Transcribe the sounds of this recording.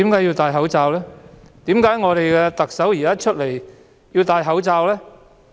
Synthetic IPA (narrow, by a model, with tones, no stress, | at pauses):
iː˨˥mkaː˨˥jiː˧wt̪aː˨˧jɦɐ˨˥wt͡saː˧wlɛː˥t̪iː˨˥mkaː˨˥jŋɔː˨˧ɾe˨jkɛː˧t̪ɐ˨k̚sɐ˨˥wji˨˩kaː˨˥t͡ʃʰɵ˥t̚le˨˩j | jiː˧wt̪aː˨˧jɦɐ˨˥wt͡saː˧wlɛː˥